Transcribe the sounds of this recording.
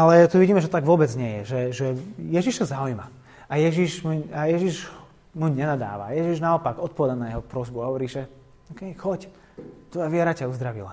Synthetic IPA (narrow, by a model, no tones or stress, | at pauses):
alɛt̪uʋiɟiːmɛʒɛt̪t̪aɡʋʊɔbɛd͡zɲɛjɛʒɛʒɛjɛʒiʃsɔzaujma̰ | ajɛʒiʃmuajɛʒiʒ | muɲɛnad̪a̰ːʋa̰jɛʒiʒnaɔpaɡɔt̪̚pɔʋɛd̪anajɛɦɔpɾɔzbuaɦɔʋɔɾiːʒɛ | ɔkɛjxɔc | t̪ʋɔjaʋɪɛɾacauzd̪ɾaʋḭla̰